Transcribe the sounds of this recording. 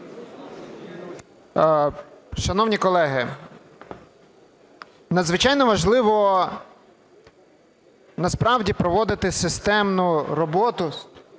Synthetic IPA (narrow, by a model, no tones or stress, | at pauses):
ʃɐnɔwnʲikɔlˠɛɦɪ | nɐd̪zʋɪt͡ʃɑjnɔʋɐʒlˠɪʋɔ | nɐspɾɑwdʲipɾɔʋɔd̪ɪt̪ɪsɪst̪ɛmnʊɾɔbɔt̪ʊ